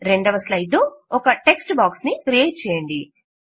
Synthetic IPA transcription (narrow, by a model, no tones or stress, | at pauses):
ɾe̞ɳɖɐʋɐslɐjɖloɔkɐʈe̞ksʈbaːksnikɾieːʈ̚t͡ʃɛːjɐɳɖi